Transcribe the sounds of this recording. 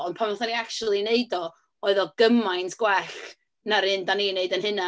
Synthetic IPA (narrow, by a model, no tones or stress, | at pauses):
ɔnpʰamɔθaniakt͡ʃulˠineɨdɔ | ɔɨðɔɡəmajntʰɡ̥wɛɬ | naɾɨndanineɨdənɦɨna